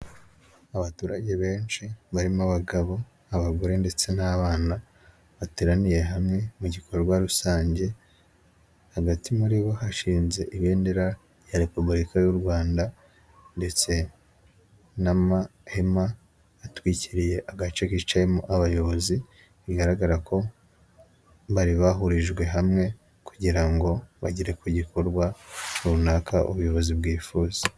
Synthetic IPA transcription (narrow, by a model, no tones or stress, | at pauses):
aβatuːɾaɟe̞βe̞ːnt͡ʃiβaɾimaβaɡaβo̞ | aβaɡoɾe̞nde̞t͡se̞naːβaːna | βateɾanije̞ɦamŋe̞muɟikʰo̞ɾoɾwaɾusaːɲɟe̞ | haɡatimuɾiβo̞haʃiːnze̞ʔiβeːndeɾa | jaɾe̞pubuɾikajuɾɡwaːnda | nde̞t͡se̞ | namahemaː | twiciɾije̞ʔaɡat͡ʃekit͡ʃaemoʔaβajo̞βo̞zi | iɡaɾaɡaɾakʰo̞ | βaɾiβaɦuɾiʒɡwe̞ɦamŋe̞ | kuɟiɾaŋɡo̞βa̰ɟiɾekuɟikʰo̞ɾɡwaunakʰaʔṵβujo̞βo̞zibɡiːfuːze